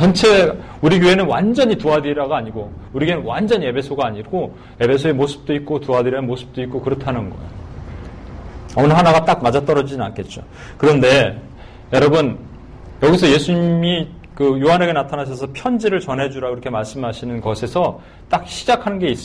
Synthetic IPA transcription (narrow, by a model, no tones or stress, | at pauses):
ʌnt͡ɕʰe̞ | uɾiɡjoe̞nɯnwand͡ʑʌɲituadiɾaɡaaɲiɡo | uɾiɡenɯnwand͡ʑʌɲie̞bʰe̞sʰoɡaːɲiɡo | e̞bʰe̞s̬ʰoe̞mosʰɯ̥p̚t͈oik̚k͈otuadiɾaemosʰɯ̥p̚t͈oik͈̚okɯɾʌtʰanɯnɡʌḛjo | ʌnɯɦanaɡat͈ak̚mad͡ʑat͈ʌɾʌd͡ʑiina̰nk͈ʰe̞t̚t͡ɕ͈o̰ | kɯɾʌnde̞ | jʌɾʌbɯn | jʌɡisʰʌje̞sʰuɲimi | kɯjoɦane̞ɡe̞natʰanaɕ̬ʰʌsʰʌpʰjʌnd͡ʑiɾɯɭt͡ɕʌnɦe̞d͡ʑuɾaiɾʌkʰe̞maɭs͈ɯmɦaɕʰinɯnɡʌsʰe̞sʰʌ | t͈ak̚ɕʰid͡ʑakʰanɯnɡe̞is͈